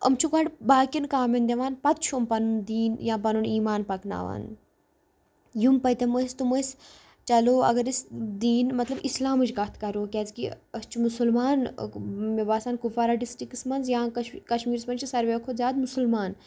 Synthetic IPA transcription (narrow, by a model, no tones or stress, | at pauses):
ɐ̰mt͡ʃʰukɐɽbaːkʲinkaːmend̪ʲeʋaːnpɐt̪̚t͡ʃʰumpɐnund̪iːnjãːpɐnuniːmaːnpɐkna̰ːʋa̰ːn | jumpɐt̪ɐmoist̪umos | t͡ʃɐloːɐ̰ɡɐɾisd̪iːnmɐt̪lɐbislaːmɨd͡ʒɡɐt̪ʰkɐɾoːkʲeːzkiɐst͡ʃʰumusulmaːnmebaːsaːnkufaːɾaɖisʈiksmɐnzjãːkɐʃmiːɾsmɐnt͡ʃʰisɐɾʋeːkʰoːzjaːd̪musulmaːn